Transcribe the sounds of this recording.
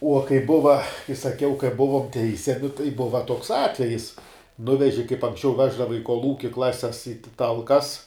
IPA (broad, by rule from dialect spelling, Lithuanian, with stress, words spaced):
uɔ kɐɪ ˈbʊʋɐ kɐɪ sɐˈkʲɛʊ kɐɪ ˈbʊʋoːm ˈtʲɛɪsʲɛmʲɪ tɐɪ ˈbʊʋɐ toːks ˈɑːtʲʋʲɛjɪs ˈnʊʋʲɛʒʲɪ kɐɪp ɐŋksʲˈt͡ʃʲɛʊ ˈʋʲæːʒdɐʋɐ ɪ koːlˠˈuːkʲɪ ˈklˠɑːsʲɛs iː ˈtɐlˠkɐs